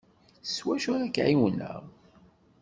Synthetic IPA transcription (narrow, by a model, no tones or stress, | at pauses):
θswæʃʊɾækːʕiwnə̰ʁ